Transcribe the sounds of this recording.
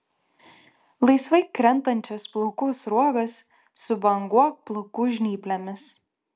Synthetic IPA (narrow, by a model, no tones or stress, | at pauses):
lˠɐɪsʋɐɪkɾʲɛnˑt̪ɐnʲt͡ʃʲɛsplˠɔkʊsɾuɔɡɐsː | ʊbɐŋɡuɔk̚plˠɔkuʒʲnʲiːpʲlʲɛmʲɪs